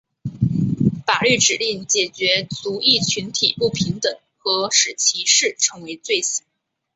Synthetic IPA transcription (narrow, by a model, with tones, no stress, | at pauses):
fa˨˩ly˥˩ʈ͡ʂɻ̩˨˩li˥˩ŋt͡ɕjɛ˨˩t͡ɕɥɛ˧˥t͡su˧˥i˥˩t͡ɕʰy˧˥nt̪ʰḭ˨˩pu˥˩pʰi˧˥ŋt̪ɤ˨˩˦ŋ | xɤ˧˥ʂɻ̩˨˩t͡ɕʰi˧˥ʂɻ̩˥˩ʈ͡ʂʰɤ˧˥ŋwe˧˥ɪt͡swe˥˩ɪs̩˨˩˦